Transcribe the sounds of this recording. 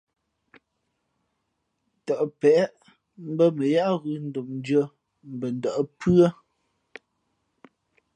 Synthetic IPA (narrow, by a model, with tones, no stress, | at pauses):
tə˨ʔpɛ˨˦ʔ | m̩˦bə˦mə˨ja˦ʔɣʉ˨n̩˦do˨mn˦d͡ʒə˦ | m̩˨bə˨n̩˨də˨ʔə˨pʉ˦ə˦